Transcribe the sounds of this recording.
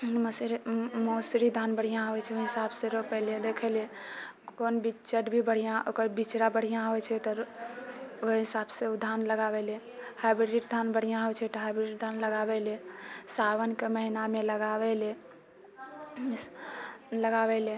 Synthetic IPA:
msɾmosɾid̪ʱanbəɽ̤ijãɦojt͡ʃʰɛoɦisabseɾopɛled̪ekʰɛle | konbit͡ʃəʈbʱibəɽ̤ijãʔokəɾbit͡ʃɾabəɽ̤ijãɦojt͡ʃʰɛt̪ɔ | oɦisabseud̪ʱanləɡabɛle | hajbɾiʈd̪ʱanbəɽ̤ijãɦojt͡ʃʰɛt̪ɔɦajbɾeʈd̪ʱanləɡabɛlesawənkeməɦinameləɡabɛle | ləɡabɛle

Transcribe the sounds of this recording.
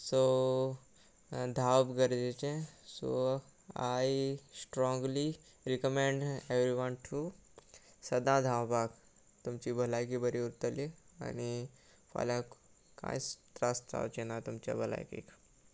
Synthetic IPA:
so | d̪ʱawbɡəɾd͡ʑet͡ɕẽso̰ | ajsʈɾɔ̃ŋɡli | ɾikəmẽɳɖeʋɾiʋənʈʰu | səd̪ãd̪ʱawbak | t̪umt͡ɕibʱəlajkibəɾiuɾt̪əlia̰ni | fa̰lak | kã̰jst̪ɾəst̪a̰wt͡ɕenat̪umt͡ɕa̰bʱəla̰jkḭk

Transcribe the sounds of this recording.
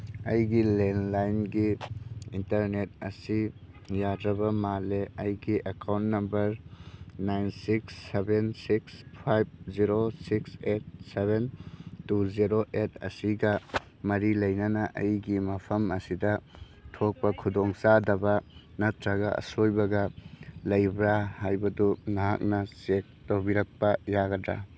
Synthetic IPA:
ɐ̰jɡilenlajnɡiintɐɾnet̚ɐsijadɾɐbɐmaleɐjɡiʔɐkawntnɐmbɐɾnajnsiksːebensikspʰajb̚ziɾosikset̚sebentuziɾoʔetʰɐ̰siɡɐ | mɐɾilɐjnɐnɐʔɐ̰jɡimɐpʰɐmɐsidɐ | tʰok̚pɐkʰudoŋsadɐbɐnɐtʰɾɐɡɐɐ̰sojbɐɡɐlɐjbɾahajbɐdunaɦa̰k̚nɐsek̚towbiɾɐk̚pɐjaɡɐdɾa̰

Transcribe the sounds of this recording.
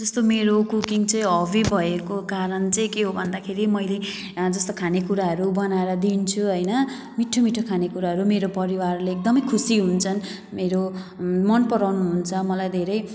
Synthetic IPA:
d͡zʌst̪omeɾokukiŋt͡sʌj̃ɦʌbibʱʌekokaɾʌnt͡sʌĩkeɦobʱʌnd̪akʰeɾimʌjle | d͡zʌst̪okʰanekuɾaɦʌɾubʌnaeɾʌd̪int͡sʰuɦʌjnʌ | miʈʰːomiʈʰokʰanekuɾaɦʌɾumeɾopʌɾiwarleːk̚d̪ʌmʌjkʰusiɦunt͡sʰʌn | meɾomʌnpʌɾawnuɦunt͡sʰʌmʌlajd̪ʱeɾʌj

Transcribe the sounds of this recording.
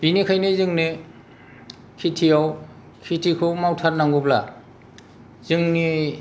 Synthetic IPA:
b̥inikʰajnizɯŋni | kʰitʰijaw | kʰitʰikʰɯwmawtʰaɾnaŋɡubla̰ | zɯŋni

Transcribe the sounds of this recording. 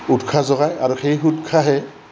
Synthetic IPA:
utkʰazɔɣajaɹuxejɦutkʰaɦɛ

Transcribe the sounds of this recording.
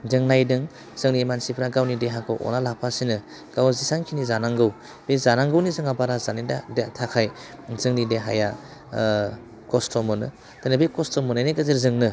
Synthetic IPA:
dɯŋnajdɯŋ | z̥ɯŋnimansipʰɾaɡawnideɦakʰɯ̰wʔɔ̰nalapʰasinɯ | ɡ̥awzisaŋkʰinizanaŋɡɯw | b̥ezanaŋɡɯwnizɯŋabaɾazanidadetʰakʰaj | zɯŋnideɦa̰ja | kɔstɔmɯnɯ̰ | tanɯbekɔstɔmɔnɯneɡɯzɯɾzɯŋnɯ

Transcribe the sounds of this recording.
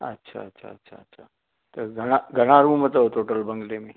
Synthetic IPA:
ətːɕʰa̰ətːɕʰa̰ətːɕʰaətːɕʰa | t̪əɾɡʱəɽ̃aɡʱəɽ̃aɾuːmət̪oɦot̪oʈəlbə̃ŋɡlemiː

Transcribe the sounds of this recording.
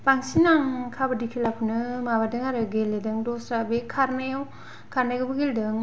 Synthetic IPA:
paŋsinaŋkʰabɯdikʰilapʰɯnɯmabadɯŋaɾɯɡelːedɯŋdɔsabekʰaɾnajaw | kʰaɾnajɡɯbɯɡeldɯŋ

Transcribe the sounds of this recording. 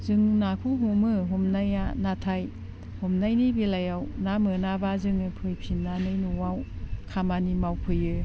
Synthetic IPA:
zɯŋnakʰuɦumɯɦumnajanatʰaj | humnajnibilajawnamɯnabazɯŋɯpʰɯjpʰinːanɯjnuwawkʰamanimawpʰɯjɯ

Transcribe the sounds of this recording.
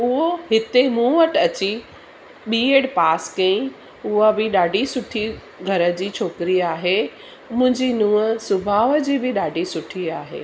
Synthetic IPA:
ʊɦoɦɪt̪emũːʋəʈɐt͡ɕi | ɓiːeːɽpaːskɐĩ | ʊɦabɪɗaːɖʱisʊʈʰi | ɡʱɐɾə̆d͡ʑiːt͡ɕʰoːkɾiaːɦe | mʊ̃ɦɪ̃ɲd͡ʑinũːəsʊbʱaːʋəd͡ʑiːbɪɗaːɖʱisʊʈʰiaːɦḛː

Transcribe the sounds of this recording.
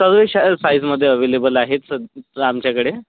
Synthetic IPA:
səɡʋeɕasajsməd̪ʱːjeəʋelebəlaɦet̪səd̪amt͡ɕjakəɽe

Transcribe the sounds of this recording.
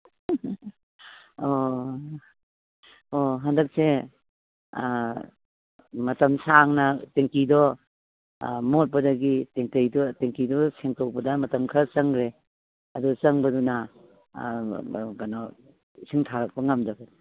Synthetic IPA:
o | oɦandɐk̚se | mɐtɐmsaŋnateŋkidɔ | mot̚pɐdɐɡiteŋtejdɔteŋkidɔseŋtowbɐdamɐtɐmkʰasɐŋɡɾe | ɐdusɐŋbɐduna | ɡana | siŋtʰaɾɐk̚pɐŋamdɐɡad

